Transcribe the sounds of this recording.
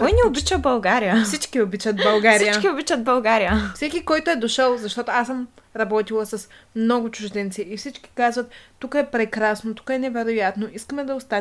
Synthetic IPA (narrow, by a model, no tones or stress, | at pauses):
kɔjnɛobit͡ʃəbɐlˠɡaɾijəfssit͡ʃkiobit͡ʃət̪̚bɐlˠɡaɾijət͡ʃkiobit͡ʃət̪̚bɐlˠɡaɾijəfsɛkʲikɔjt̪oɛd̪oʃəlˠzɐʃt̪ɔt̪oasəmɾɐbɔt̪ilˠəsɐsmnɔɡʊt͡ʃʊʒd̪ɛnt̪siifsit͡ʃkʲi̥kazvɐt̪ːukəɛpɾɛkɾasnot̪u̥kəɛnɛvɛɾojat̪noʔiskəmɛd̪ɐʊst̪a